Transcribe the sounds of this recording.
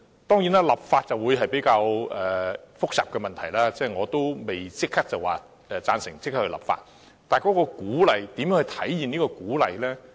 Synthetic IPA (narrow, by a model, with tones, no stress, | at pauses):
t̪ɔː˥ŋjiː˨˥naː˥lɐ˨p̚faː˧t̚t͡sɐ˨wuː˨˧jɦɐ˨jpe˨˥jkaː˧wʔɛː˨fʊ˥k̚sɐ̰ː˨p̚kɛ˧mɐ˨nt̪ʰɐ˨˩jlaː˥t͡sɛː˥˩ŋɔː˨˧t̪o˥wme˨jt͡sɪ˥k̚ʰːɐ˥k̚t͡sɐ˨˩waː˨ | ɛː˨t͡saː˧nsɪ˨˩ŋsɪ˥k̚kʰːkhɵ˧lɐ̰˨˩p̚fa̰ː˧t̚ | t̪aː˨˩jkɔː˨˥kɔː˧kuː˨˥lɐ˨jt̪i˨˥mjœ˨˥ŋhɵ˧jt̪ʰɐ˨˥jjiː˨˩niː˥kɔː˧kuː˨˥lɐ̰˨jlɛː˥